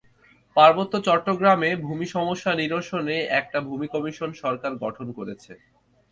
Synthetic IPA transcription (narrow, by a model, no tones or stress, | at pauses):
paɾbot̪ːot͡ɕɔʈːoɡɾamebʱumiʃɔmoʃːaniɾoʃoneɛk̚ʈabʱumikɔmiʃonʃɔɾkaɾɡɔʈʰonkoɾet͡ɕʰḛ